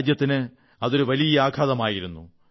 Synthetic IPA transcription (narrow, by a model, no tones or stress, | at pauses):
d͡ʑjɐt̪ːinɨ | ɐðo̞ɾuʋɐlijɐaːɡʰʱaːðɐmaːjiɾunːṵ